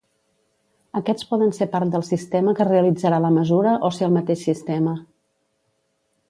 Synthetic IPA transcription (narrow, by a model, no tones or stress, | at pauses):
əkɛt͡spɔðənsepaɾt̪̚d̪əlˠsist̪ɛməkəreəlid͡zəɾaləməzuɾəʔoseəlˠmət̪eʃsist̪ɛmə